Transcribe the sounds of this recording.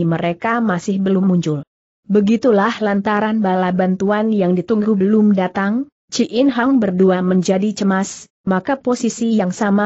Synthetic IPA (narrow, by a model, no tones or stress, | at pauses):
məɾekamasɪhbəlʊmuɲt͡ʃʊl | bəɡit̪ulahlant̪aɾanbalabant̪uanjaŋdit̪uŋɡubəlʊmdat̪aŋ | t͡ʃiʔɪnɦaŋbərduaməɲd͡ʒadit͡ʃəmas | makaposisijaŋsama